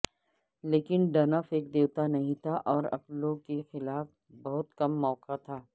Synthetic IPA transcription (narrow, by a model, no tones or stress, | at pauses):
leːkɪnɖɐnəfeːk̚d̪eːwt̪anɐɦĩt̪ʰaʔɔːɾɐ̰ploːɡkexɪlaːf | bɐɦʊt̪kɐmːɔːkat̪ʰaː